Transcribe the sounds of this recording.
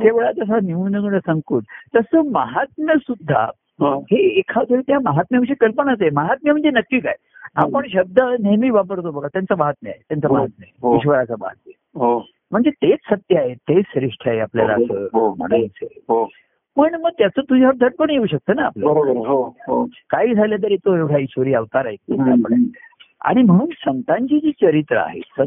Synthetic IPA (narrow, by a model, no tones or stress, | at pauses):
t̪eʋeɭad͡z̪əs̬animund̪əɡuɽəsəŋkuːʈt̪əsəməɦat̪̚məsud̪ʱːa̰ | ɦoheːkʰat̪ʰəɾit̪jɦaməɦat̪̚mjaʋiɕ̬ikəlpənat͡səeməɦat̪̚mim̤əɳd͡zenəkːiːka̰j | apəɳɕəb̚d̪ʱənemiːʋapəɾot̪obəɡat̪jant͡səmaɦat̪̚mia̰jet̪jant͡səməɦat̪̚məeɦoiɕʋəɾat͡səmə̰ɦat̪̚mi | ɦo | m̤əɳd͡zet̪et͡ssət̪jəaɦet̪esɾiʂʈʰaɦeapljalasəɦoməɽəəseɦo | pəɳməɡ̚t̪jat͡səːt̪ud͡ʑʱaʋəɾd̪ʱəʈ̚koɽ̃ɳjeuːɕək̚t̪əːnaa̰pljəɾobəɾɦoɦokaɦiːd͡zʱajljat̪̬əɾit̪oeʋɽ̤ʰjaiɕʋəɾiːaʋt̪aɾaɦek̪iape | a̰ɽ̃im̤əɽ̃uːnsənt̪ãɲt͡ɕiːd͡ʑiːt͡ɕəɾit̪ɾə̰a̰ɦḛsə